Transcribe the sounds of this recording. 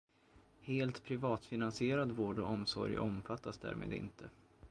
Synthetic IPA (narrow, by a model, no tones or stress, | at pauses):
heːlt̪pʰɾɪvɑːt̪fɪnansɪeːɾad̪voːɖɔ̰ɔmsɔ̰ɾjʔɔmfat̪ʰːasd̪æ̰ːɾmʔḛːd̪ɪ̰nt̪ʰə